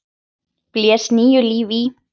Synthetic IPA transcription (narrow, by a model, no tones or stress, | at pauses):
pljɛːsniːjʏliːvi